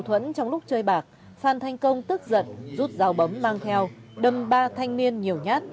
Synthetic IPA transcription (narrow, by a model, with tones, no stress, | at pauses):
t̪ʰwə˧˥nt͡ɕɔ˧wŋ͡mlʊ˦˥k͡p̚t͡ɕəː˧jɓaː˨˩k̚ | faː˧˩nt̪ʰa˧jŋ̟kə˧wŋ͡mt̪ɨ˦˥k̚zə̰˧˨nzu˦˥t̚zaː˨˧wɓə˨˦mːaː˧ŋt̪ʰɛ˧wɗə˨˧˩mɓaː˧t̪ʰa˧jŋ̟ni˧ənɲi˨˩əwɲaː˦˥t̚